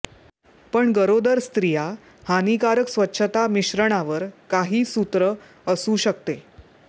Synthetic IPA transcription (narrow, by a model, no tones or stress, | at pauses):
pəɳɡəɾod̪əɾst̪ɾija | hanikaɾəksʋətːɕʰət̪amiɕɾəɳ̃aʋəɾkaɦiːsut̪ɾə | əsuːɕək̚t̪e